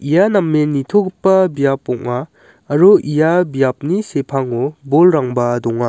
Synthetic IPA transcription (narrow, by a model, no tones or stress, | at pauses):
ijanɐmːenitʰoɡpːɐbijapːɔŋaː | ɾuijabijap̚nisepʰaŋobolɾaŋbɐdɔŋa